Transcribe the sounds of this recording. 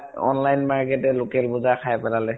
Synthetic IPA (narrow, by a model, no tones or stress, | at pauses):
ɔ̰nlajnmaɹkɛtɛlokɛlbʊzakʰajpɛlalɛ